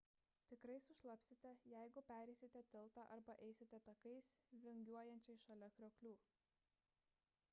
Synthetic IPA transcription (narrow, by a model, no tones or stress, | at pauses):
t̪ʲɪkɾɐɪsʊʃlˠɐpʲsʲɪt̪ʲɛjæɪɡʊpʲæːɾʲɛɪsʲɪt̪ʲɛt̪ʲɪlˠˑt̪ɑːʔɐɾbɐʔɛɪsʲɪt̪ʲɛt̪ɐkɐɪsʋʲɪŋʲɡʲuɔjɛnʲt͡ʃʲɛɪʃɐlʲɛkɾʲoːkʲlʲuː